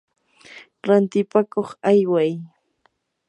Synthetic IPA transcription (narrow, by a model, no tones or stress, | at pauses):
ɾant̪ɪpakoχajwaj